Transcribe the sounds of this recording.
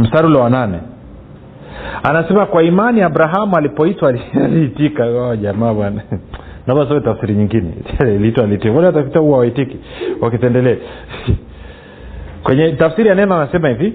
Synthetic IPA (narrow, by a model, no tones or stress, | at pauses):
m̩saɾulɔwananɛ̰ | anasɛmakwaimaniabɾaɦamualipɔitwalialiitikaaʄamaːɓwana | navas̬aɛtafsiɾiɲiŋɡinɛ̰liitwaliitikakwaliwatakitahuwawaitikiwakitɛndɛlɛa | kwɛɲɛtafsiɾijanɛnaanasɛmahivi